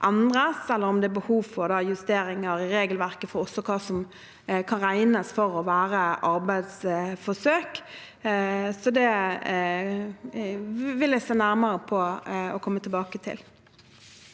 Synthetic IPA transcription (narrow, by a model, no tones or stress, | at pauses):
ʔɑnɾəsɛlːəɾɔmd̪ɛːbəhuːʋfɔɾd̪ɑːjʉst̪eːɾɪŋəɾɪɾeːɡəlʋæɾkəfɔɾɔsːɔkʰɑːsɔm | kʰɑnɾæɪnəsfɔɾɔʋæːɾəʔɑɾbæɪd̪sfɔsøːk | sɔd̪ɛ | ʋɪljæɪseːnæɾmɑɾəpʰɔɔkʰɔmːət̪ʰəlbɑːkət̪ʰɪ̰l